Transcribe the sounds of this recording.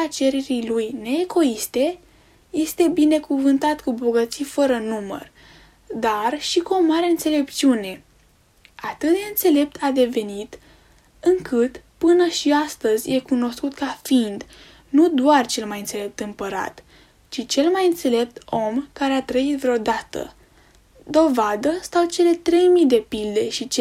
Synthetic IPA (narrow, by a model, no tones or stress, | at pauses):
at͡ʃe̞ɾe̞ɾilujne̞ːɡo̞ist̪e | je̞st̪e̞bine̞kuvɨnt̪at̪kubo̞ɡət̪sifəɾənumə̰r | d̪arʃikuo̞maɾeɨnt̪se̞le̞p̪̚t͡ʃiune̞ | at̪ɨt̪̚d̪e̞ɨnt̪se̞le̞p̚t̪ʰad̪e̞ve̞nit̪ | ɨŋkɨt̪pɨnəʃiast̪əzʲje̞kuno̞skut̪kafind̪ | nud̪oart͡ʃe̞lmajɨnt̪se̞le̞p̚t̪ɨmpəɾa̰t̪ | t͡ʃit͡ʃe̞lmajɨnt̪se̞le̞p̚t̪o̞mkaɾe̞at̪ɾəit̪vɾeo̞d̪at̪ə̰ | d̪o̞vad̪əst̪awt͡ʃe̞le̞t̪ɾe̞jmid̪e̞pild̪e̞ʃit͡ʃe